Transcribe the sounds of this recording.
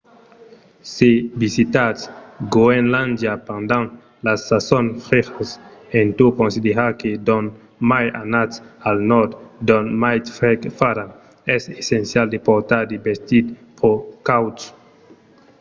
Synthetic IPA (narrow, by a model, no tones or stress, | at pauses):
sebisit̪asɡoenland̪japãnd̪ãŋ | lasasonfeχasẽnt̪ukonsid̪eɾaked̪on | maja̰nasalnɔɾd̪d̪onmajt̪fekfaɾan | ɛsesensjald̪epoɾt̪aɾd̪ebest̪it̪̚pʰokawt